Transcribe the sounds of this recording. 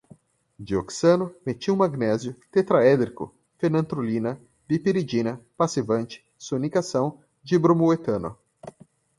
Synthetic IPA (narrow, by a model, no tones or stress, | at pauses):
d͡ʒioksɐ̃nʊmet͡ʃiw̃maɡnɛzjʊt̪et̪ɾaɛd̪ɾikʊ̰ | fenɐ̃nt̪ɾolĩnɐ | vipiɾid͡ʒinɐpasivɐ̃nt͡ʃɪ̥ | sonikasɐ̃w̃ | d͡ʒibɾomuet̪ɐ̃nʊ̰